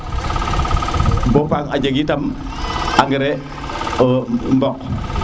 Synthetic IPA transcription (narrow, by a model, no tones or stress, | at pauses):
bopaŋad͡ʒaɡitam | aŋɡiɾɛ | mbɔk̚